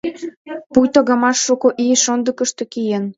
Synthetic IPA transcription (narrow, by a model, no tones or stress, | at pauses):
pujt̪oɣɑmɑʃːukoʔieʃond̪ə̆kəʃt̪ĕkijen